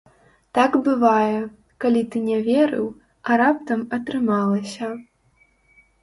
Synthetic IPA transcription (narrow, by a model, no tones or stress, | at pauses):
t̪aɡbɨvajɛ | kalʲit̪ɨnʲɛvʲɛɾɨ̰w | ɐɾap̚t̪ɐmɐt̪ɾɨmalˠɐsʲɐ